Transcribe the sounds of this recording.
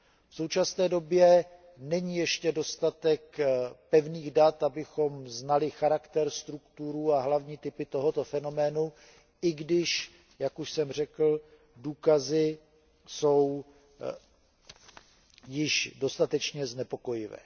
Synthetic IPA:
fso̞wt͡ʃasnɛːdo̞bjɛ | nɛɲijɛʃcɛdo̞st̪at̪ɛkpɛvniːɣdat̪abɪxo̞mznalɪxaɾakt̪ɛɾst̪ɾukt̪uɾuːaɦlavɲiːt̪ɪpɪt̪o̞ɦo̞t̪o̞fɛnomɛːnu | ʔɪɡdɪʃ | jakuʃsɛmr̝ɛkl̩ | duːkazɪ | so̞w | jɪʃdo̞st̪at̪ɛt͡ʃɲɛznɛpo̞ko̞jɪvɛ̰ː

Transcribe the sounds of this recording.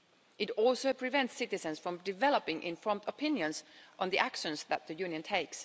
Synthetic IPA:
ʔɨtɔlˠsoʊpʰɹ̥ɪvɛ̃ntsɪtɨsɨ̃nsfɹʌ̃mdɪvɛlˠəpɪ̃ŋʔɪ̰̃nfɔɹmtəpʰɪ̃njɨ̃nsʔə̃nðiʔækʃə̃nsðæt̪̚ðɨjʉ̃njɨ̃ntʰeɪks

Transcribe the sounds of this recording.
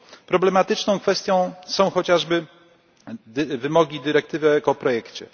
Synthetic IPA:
pɾɔblɛmat̪ɘt͡ʂnɔ̃w̃kfɛst̪ʲjɔ̃w̃sɔ̃w̃xɔt͡ɕaʐbɘ | d̪vɘmɔɡʲid̪ɘɾɛk̚t̪ɘvɘjakɔpɾɔjɛkt͡ɕɛ̰

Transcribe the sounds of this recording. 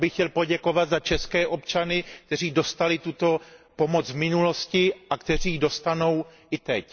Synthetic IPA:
bɪxcɛlpo̞ɟɛko̞vat̪zat͡ʃɛskɛːʔo̞pt͡ʃanɪk̚t̪ɛr̝iːdo̞st̪alɪt̪ut̪o̞po̞mo̞t͡svmɪnulo̞scɪʔakt̪ɛr̝iːdo̞st̪ano̞wʔɪt̪ɛc

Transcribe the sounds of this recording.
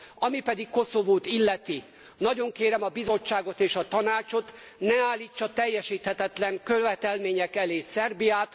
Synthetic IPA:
ɒmipɛd̪ikko̞so̞voːt̪ilːɛt̪i | nɒɟo̞ŋkeːɾɛmɒbizo̞t͡ʃːaːɡo̞t̪eːʃɒt̪ɒnaːt͡ʃo̞t̪ | nɛaːlːiːt͡ʃːɒt̪ɛjːɛʃiːt̪hɛt̪ɛt̪lɛŋkøʋɛt̪ɛlmeːɲɛkɛleːsɛrbijaːt̪

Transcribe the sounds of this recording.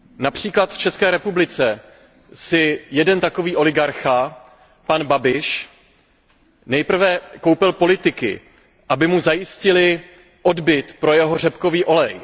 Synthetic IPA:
napr̝̥iːklat̪ft͡ʃɛskɛːɾɛpublɪt͡sɛ | sɪjɛdɛnt̪ako̞viːʔo̞lɪɡaɾxa | panbabɪʃ | nɛjpr̩vɛko̞wpɪlpo̞lɪt̪ɪkɪ̰ | ʔabɪmuzajɪscɪlɪ | ʔo̞dbɪt̪pɾo̞jɛɦo̞r̝ɛpko̞viːʔo̞lɛj

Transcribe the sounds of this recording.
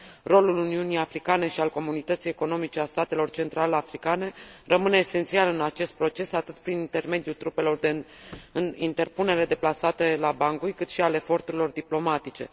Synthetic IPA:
ro̞luluniunijafɾikane̞ʃialko̞munit̪ət̪sije̞ko̞no̞mit͡ʃe̞ast̪at̪e̞lo̞rt͡ʃe̞nt̪ɾaleafɾikane̞rəmɨneːse̞nt̪sialɨnat͡ʃe̞st̪̚pɾo̞t͡ʃe̞sat̪ɨt̪pɾinint̪e̞rme̞d̪jult̪ɾupe̞lo̞rd̪eɨint̪e̞rpune̞ɾed̪e̞plasat̪elabaŋɡujkɨt̪ʃiale̞fo̞rt̪uɾilo̞rd̪iplo̞mat̪it͡ʃe̞̰

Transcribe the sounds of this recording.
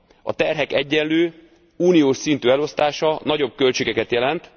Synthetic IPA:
ɒ̰t̪ɛrɦɛkɛɟːɛnløː | uːnijoːʃsint̪yːɛlo̞st̪aːʃɒnɒɟo̞b̚kø̞lt͡ʃeːɡɛkɛt̪jɛlɛnt̪

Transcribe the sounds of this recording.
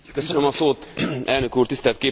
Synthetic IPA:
køsønømɒsoːt̪ʔɛlnøkuːrt̪ist̪ɛlt̪keː

